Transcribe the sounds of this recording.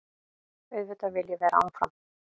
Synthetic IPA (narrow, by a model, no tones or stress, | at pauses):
ʏðvʏt̪avɪljɛvɛːɾaa̰ːwnfɾa̰m